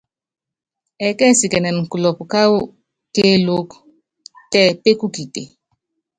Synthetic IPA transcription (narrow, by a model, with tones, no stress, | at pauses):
ɛ˨kɛ˦˨si˨kɛ˨nɛ˨n̩˨ku˨lɔ˨pu˨ka˦wu˦ | ke˦lo˦k | tɛ˦˨pe˦ku˦ki˨tḛ˨